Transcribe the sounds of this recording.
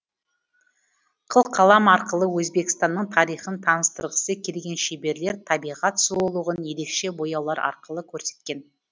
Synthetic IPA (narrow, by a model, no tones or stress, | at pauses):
qʰəlˠqʰːɑlˠɑmɑɾqəlˠəwɵzbe̞kʲɪst̪ɑnːəɴt̪ʰɑɾijχənt̪ʰɑnəst̪əɾʁəsəkʲʰelɡʲe̞nʃebe̞ɾle̞ɾt̪ʰɑbijʁɑt̪solˠəʁənje̞ɾe̞kʃe̞bo̞jɑwlˠɑɾɑ̰ɾqəlˠəkʲʰɵɾse̞̥t̪kʲe̞n